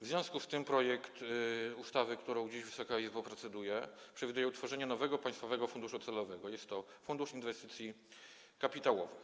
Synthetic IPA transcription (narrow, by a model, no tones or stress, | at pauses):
vzvʲjɔ̃w̃skust̪ɘmpɾɔjɛkt̪ust̪avɘkt̪uɾɔ̃w̃d͡ʑeʑvɘsɔkaizbapɾɛt̪sɛd̪ujɛpʂɛvʲid̪ujɛut̪fɔʐɛɲɛnɔvɛɡɔpaj̃st̪fɔvɛɡɔfund̪uʂut̪sɛlɔvɛɡɔjɛst̪ːɔfund̪uʂinvɛst̪ɘ̥t̪sʲji | kapʲit̪awɔvɘ